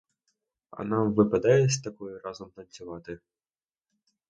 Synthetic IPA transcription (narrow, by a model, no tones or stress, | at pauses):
ɐ̰nɑʋɪpɐd̪ajɛsʲt̪ɐkɔjiɾɑzɔmt̪ɐnʲt͡sʲʊʋɑt̪ɪ